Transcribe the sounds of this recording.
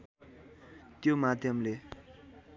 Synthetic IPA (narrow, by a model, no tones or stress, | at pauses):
t̪jomat̪emle